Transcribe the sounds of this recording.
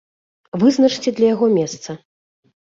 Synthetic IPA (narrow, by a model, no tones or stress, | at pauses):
vɨznɐt͡ʂt͡sʲɛd̪lʲɐjaɣɔmʲɛst̪sɐ